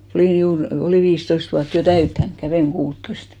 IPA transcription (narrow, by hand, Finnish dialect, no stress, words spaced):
oliˑn̞ juːr oliˑ ʋiːstoist ʋuɑt jo tæytːæn kæʋeiŋ kuːtːoist